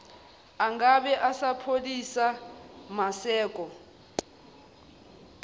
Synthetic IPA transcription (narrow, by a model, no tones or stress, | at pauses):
aŋɡaɓɛʔasapʰolisamasɛːkʼɔ